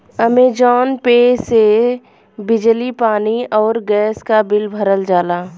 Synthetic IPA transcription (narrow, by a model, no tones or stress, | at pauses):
ɐmeːd͡ʒɔːnpeːse | bɪd͡ʒlipaːniɔːɾɡɛːskabɪlbʱəɾəld͡ʒaːlaː